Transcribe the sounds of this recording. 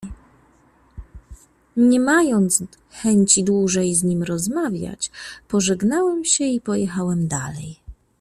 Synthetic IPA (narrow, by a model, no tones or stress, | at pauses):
ɲɛmajɔnt̪s | xɛɲt͡ɕid̪wuʐɛjzɲimɾɔzmavʲja̰t͡ɕpɔʐɛɡnawɛmɕɛipɔjɛxawɛmd̪alɛ̰j